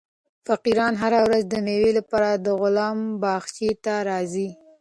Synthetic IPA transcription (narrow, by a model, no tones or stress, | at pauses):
faqiɾɑnɦaɾawɾazd̪əmewelapɑɾad̪əɣʊlɑmbɑxt͡ʃet̪aɾɑzi